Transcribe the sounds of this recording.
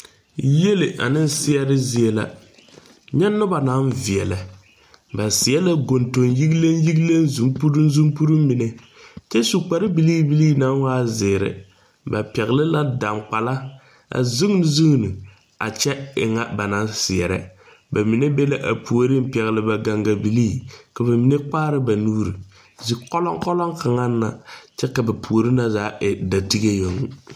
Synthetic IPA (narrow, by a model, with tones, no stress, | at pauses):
je˦lɪ˨ʔa̰˨nɨ˦n˦sɪ˦ɛ˨ɾɪ˦zi˦ɛ˦la̰˨ | ɲɛ˦nːʊ˦ba˨na˦nvi˨ɛ˨la˨ | ba˨sɪ˨ɛ˦la˦ɡo˨nto˨nji˦ɡle˦nji˦ɡle˦nzu˨mpu˦ɾu˦n˦zu˦mpu˦ɾu˦m˦mi˨nɛ˨ | t͡ʃɛ˦su˨k͡pa˨ɾɪ˦bi˨liː˦bi˦liː˦na˦nwaː˦zɪː˨ɾɪ̰˨ | ba˨pɛ˨ɣɪ˨lɪ˦la˦da˨ŋk͡pa˨la˦ | a̰˨zu˦ŋ˦nɨ˨zu˦ŋ˨nɨ˨ | a̰˨t͡ʃɛ˦ɪ̰˨ŋa˦ba˨na˦nsɪ˨ɛ˨ɾɛ̰˦ | ba˨mi˨ne˦bɛ˦la˨ʔa̰˨pʰu˨o˨ɾi˦m̩˦pɛ˨ɣɪ˨lɪ˨ba˨ɡa˨ŋɡa˨bi˨liː˦ka˨ba˨mi˨ne˦k͡paː˦ɾɪ˦ba˨nuː˦ɾi˨ | zi˨kɔ˦lɔ˦ŋkɔ˦lɔ˦ŋka˨ŋa˦nːa˨t͡ʃɛ˦ka˨ba˨pʰu˨o˨ɾi˦na˦zaː˨˦ʔɪ˨da˨ti˦ɡe˦jo˨ŋu˦